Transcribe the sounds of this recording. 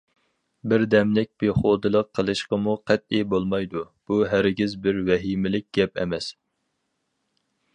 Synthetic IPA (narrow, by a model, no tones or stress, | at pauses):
bɪɾd̪ɛmlɪk̚ʲb̥eχod̪ɨlˠəqʰːəlˠɨʃqəmuqʰɛt̪̚ibolˠmɑjd̪u | b̥uɦæɾɡʲizbɪɾwɛɦimɪlɪk̚ʲɡ̥ʲɛp̚ɛ̰mɛs